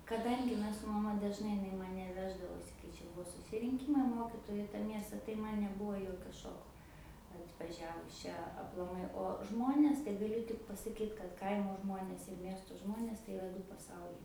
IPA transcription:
kɐˈdɐŋʲɡʲɪ ˈmʲɛs sʊ mɐˈmɐ dɐʒˈnɐɪ ɪˈnɐɪ mɐˈnʲɛ ˈʋʲæːʒdɐʋoːsʲɪ kɐɪ ˈt͡ʃʲɛ ˈbuɔ sʊsʲɪrʲɪŋʲˈkʲiːmɐɪ ˈmoːkʲiːtoːjʊ ɪ tɐ ˈmʲiɛstɐ tɐɪ ˈmɐn nʲɛˈbʊʋoː ˈjoːkʲoː ˈʃoːkoː ɐtʋɐˈʒʲæːʋʊs ˈt͡ʃʲɛ ɐplˠɐˈmɐɪ oː ˈʒmoːnʲeːs tɐɪ ɡɐˈlʲʊ tʲɪk pɐsɐˈkʲiːt kɐt ˈkɐɪmoː ˈʒmoːnʲeːs ɪr ˈmʲiɛstoː ˈʒmoːnʲeːs tɐɪ ɪˈrɐ ˈdʊ pɐˈsɐʊlʲɛɪ

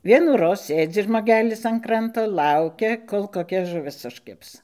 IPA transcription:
ˈʋʲiɛnuːroːs ˈsʲeːd͡zʲɪ ʒmoːˈɡʲæːlʲɪs ɐn ˈkrɐntoː ˈkɐʊkʲɛ ˈkoːlˠ koːˈkʲɛ ʒʊˈʋʲɪs ʊʃʲˈkʲɪps

